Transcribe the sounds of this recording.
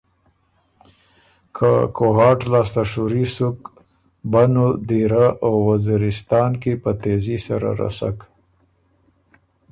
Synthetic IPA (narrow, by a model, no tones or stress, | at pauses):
kʰakoɦɑʈlɑst̪aʂuɾisuk | banod̪iɾaʔawwaziɾɪst̪ɑnkepət̪ezisaɾa̰ɾa̰sa̰k